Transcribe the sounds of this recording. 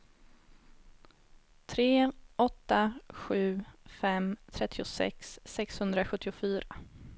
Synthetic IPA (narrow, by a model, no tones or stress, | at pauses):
t̪ʰɾeːʔɔt̪ːaɧʉ̟ːfɛmt̪ʰɾɛt̪ʰːɪʊsɛ̰ksːɛkshɵnd̪ɾaɧɵt̪ːɪʊfyːɾa